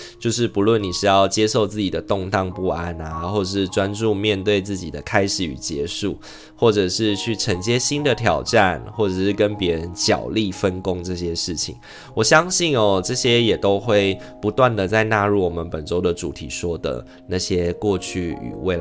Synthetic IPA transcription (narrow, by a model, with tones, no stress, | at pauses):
t͡ɕjo˥˧ʊʂ̬ɻ̩˥˩pu˧˥lwə˥˨nːi˨˩ʂɻ̩˧˥jɑ˥˩ʊt͡ɕjɛ˦ʂo˥˧ʊt͡sɹ̩˥˩t͡ɕi˨˩d̪ə˩t̪o˥˧ŋt̪ɑ˥˧ŋpu˥˧a˥˩na˨xwɔ˥˩ʈ͡ʂə˨˩ʂɻ̩˥˩ʈ͡ʂwa˦nʈ͡ʂu˥˧mjɛ˥˧nt̪we˥˧ɪt͡sɹ̩˥˩t͡ɕi˨˩d̪ə̰˩kʰa˥ɪʂɻ̩˨˩y̰˨˩t͡ɕjɛ˧˥ʂu˥˩ | xwɔ˥˩ʈ͡ʂɤ˨˩ʂɻ̩˥˧t͡ɕʰy˥˩ʈ͡ʂʰə˧˦˥ŋt͡ɕjɛ˥ɕi˥nd̪ə˨t̪ʰjɑ˨˩ʊʈ͡ʂa˥˨nxwɔ˥˩ʈ͡ʂɤ˨˩ʂɻ̩˥˩kə˦˥npjɛ˧˥ɻə˧˦nt͡ɕjɑ̰˨˩ʊli˥˨fə˦nko˥ŋʈ͡ʂɤ˥˩ɕjɛ˦ʂɻ̩˥˩t͡ɕʰḭ˨˩˦ŋ | wɔ˨˩ɕjɑ˥ŋɕi˥˩nɔ˨ʈ͡ʂɤ˥˩ɕjɛ˥jɛ˨˩t̪o˥ʊxwe˥˩ɪ | pu˨˧˥t̪wa˥˩nd̪ə˨˩t͡sa˥˧ɪna˥˧ɻu˥˩wɔ˨˩mə˨˦npə˨˩nʈ͡ʂo˥ʊd̪ə˨ʈ͡ʂṵ˨˩t̪ʰḭ˨˩ʂwɔ˥d̪ə̰˨ | na˥˩ɕjɛ˦kwɔ˥˧t͡ɕʰy˥˩y̰˨˩we˥˩ɪ